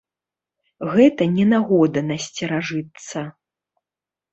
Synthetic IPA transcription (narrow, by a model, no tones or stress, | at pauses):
ɣɛt̪ɐnʲɛnaɣɔd̪ɐnɐsʲt͡sʲɛɾaʐɨt̪sɐ